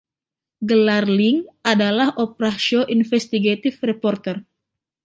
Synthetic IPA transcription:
ɡəlarliŋʔadalahʔopɾaʃoʔinfɛst̪iɡat̪ɪfrɛpɔrt̪ɛr

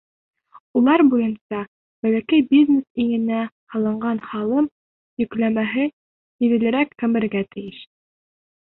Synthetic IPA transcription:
ulˠɑɾbujɤnsɑ | bælækæjbʲizʲnesiŋɘ̆næ | hɑlˠɤ̆ɴɢɑnhɑlˠɤm | jɵ̆klæmæɦɘ | ĭðɘ̆lɘ̆ɾækkɘ̆mɘ̆ɾɡæt̪ɘ̆jɘʃ

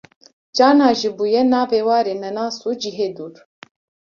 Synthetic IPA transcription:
t͡ʃaːnaːʒibuːjɛnaːveːwaːɾeːnɛnaːsuːd͡ʒiɦeːd̪uːɾ

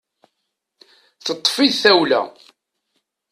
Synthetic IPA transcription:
θət̪ˤːfiðθæwlæ̰

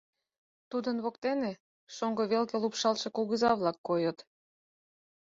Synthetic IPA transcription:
t̪ud̪ənβokt̪ene | ʃoŋɡoβelɣelupʃɑlʃekolˠɣəzɑβlɑkːojət̪

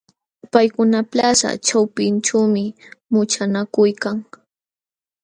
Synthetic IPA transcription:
pajkʊnaplasa̰t͡ʃawpɪnʈ͡ʂaːmɪmʊt͡ʃanakʊjkaŋ

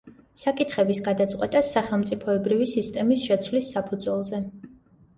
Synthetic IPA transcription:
sakʼit̪ʰχɛbisɡad̪at̪sʼqʼwɛt̪ʼasːaχɛlˠmt̪sʼipʰɔɛbɾivisist̪ʼɛmisʃɛt̪sʰwlisːapʰud̪zwɛlˠzɛ

